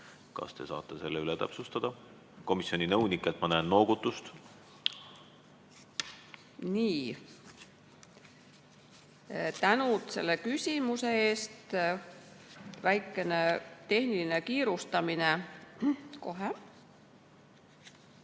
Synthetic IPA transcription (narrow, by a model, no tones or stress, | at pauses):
kɑ̰st̪e̞sɑ̰ːt̪ːˑese̞lːeylet̪æ̰psust̪ɑd̪̥ɑ | ko̞misjo̞ninɤwnikːˑelt̪mɑnæːnːo̞ːɡ̥ut̪ˑːust̪ | niː | t̪ænut̪se̞̰lːekysʲimuseeːst̪ | væjkːˑe̞ne̞t̪e̞hniline̞kiːɾust̪ɑmine̞ | ko̞ɦe